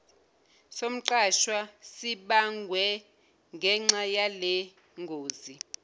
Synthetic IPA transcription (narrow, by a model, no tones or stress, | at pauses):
som̩ǃaʃwasiɓaŋɡʱwɛ | ŋɡʱɛŋ͡ǁajalɛ | ŋɡʱoːzi